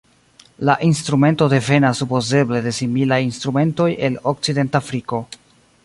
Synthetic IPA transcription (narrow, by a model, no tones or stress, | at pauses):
laʔinstɾume̞ntode̞fe̞nasːupo̞ze̞ble̞de̞similajinst̪ɾume̞nto̞je̞lo̞k̚t͡side̞ntafɾiko̞